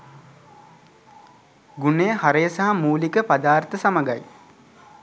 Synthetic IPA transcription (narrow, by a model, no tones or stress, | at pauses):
ɡunejəhaɾəjəsaɦamuːlikəpad̪aːrt̪əsaməɡaj